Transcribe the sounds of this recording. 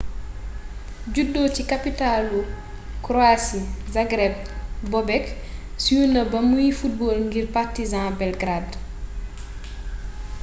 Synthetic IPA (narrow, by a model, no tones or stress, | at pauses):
ɟudːɔːcikapitalu | kɾɔasizaɡɾɛb̚bɔbɛk | sujunɐbɐmujifut̚bɔːlŋɡirpartizãbɛlɡɾad